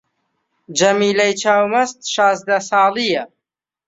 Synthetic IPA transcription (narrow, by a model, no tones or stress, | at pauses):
d͡ʒɐmiːlɐjt͡ʃʰaːwmɐst̪ʃɑːzd̪ɐsɑːlijɐ